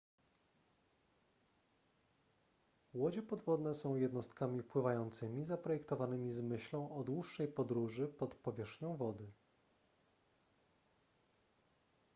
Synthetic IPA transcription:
wɔd͡ʑɛpɔd̪vɔd̪nɛsɔ̃w̃jɛd̪nɔst̪kamʲipwɘvajɔnt̪sɘmʲizapɾɔjɛkt̪ɔvanɘmʲizmɘɕlɔ̃w̃ʔɔd̪wuʂːɛjpɔd̪ɾuʐɘpɔt̪pɔvʲjɛʂxɲɔ̃w̃vɔd̪ɘ

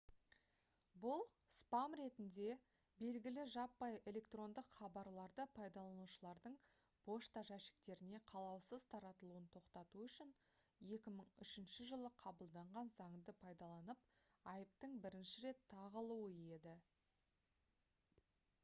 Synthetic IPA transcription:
bʊlˠ | spɑmɾe̞t̪ɪnd̪e̞ | be̞lɡʲɪlɪʒɑpːɑje̞lʲe̞kt̪ro̞nd̪əqχɑbɑɾlˠɑɾd̪əpʰɑjd̪ɑlˠɑnuʃəlˠɑɾd̪əɴ | b̥o̞ʃt̪aʒæʃɪ̥k̚t̪e̞ɾɪne̞qʰɑlˠɑwsəzt̪ʰɑɾɑt̪əlˠuənt̪ʰo̞qt̪ɑt̪uʏʃɪn | je̞kʲɪməɴʏʃɪnʃɪʒəlˠəqʰɑbəlˠd̪ɑɴʁɑnzɑɴd̪əpʰɑjd̪ɑlˠɑnəp̚ | ɑjəp̚t̪əɴbɪɾɪnʃɪɾe̞t̪ʰːɑʁəlˠuwəje̞d̪ɪ

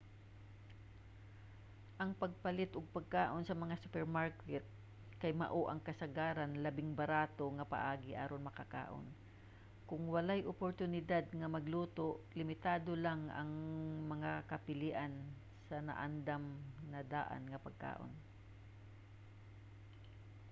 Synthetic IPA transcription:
ʔɐŋpɐɡ̚pɐlɪt̪ʔʊɡ̚pɐɡ̚kaːʔonsɐmɐŋasʊpɛɹmaɹkɛt̪̚ | kɐjmɐ̰ʔoʔɐŋkɐsɐɡaːɾanlɐbɪŋbɐɾaːt̪o̞ŋɐpa̰ʔaːɡɪʔaːɾonmɐkɐka̰ːʔo̰n | kʊŋwɐlajʔʊpoɾt̪ʊnɪd̪ad̪̚ŋɐmɐɡluːt̪oʔlɪmɪt̪aːd̪olaŋʔɐ̰ŋmɐŋakɐpɪlɪːʔan | sɐnɐ̰ʔand̪amnɐd̪a̰ːʔa̰nŋɐpɐɡ̚ka̰ːʔo̰n

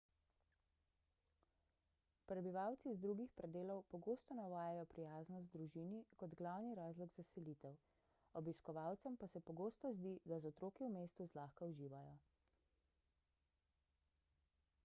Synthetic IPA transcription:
pɾɛbiʋawt̪sizd̪ɾuɡixpɾɛd̪eːlɔwpɔɡoːst̪ɔnaʋaːjajɔpɾijaːznɔzd̪ɾuʒiːnikɔd̪ɡlawniɾaːzlɔɡzasɛlit̪ɛw | ɔbiskɔʋawt̪sɛmpasɛpɔɡoːst̪ɔzd̪id̪azɔt̪ɾoːkiwmeːst̪uzlaːxkauʒiːʋajɔ

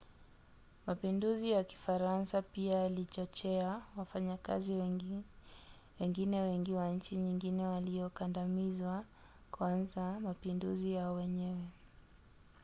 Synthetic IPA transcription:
mapinduzijaki̥faɾansapiaːlit͡ʃɔt͡ʃɛawafaɲaka̰zi | wɛŋɡinɛwɛŋɡiwaɲ̩t͡ʃiɲiŋɡinɛwaliɔkandamizwa | kwanzamapinduzijaɔwɛɲɛwɛ

